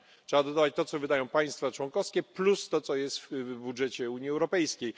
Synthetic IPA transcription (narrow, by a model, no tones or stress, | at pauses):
tʂɛbad̪ɔd̪avat͡ɕt̪ɔt̪sɔvɘd̪ajɔ̃w̃paj̃st̪fat͡ʂwɔŋkɔfskʲɛplust̪ɔt̪sɔjɛst̪fbudʐɛt͡ɕɛuɲjiɛwɾɔpɛjskʲej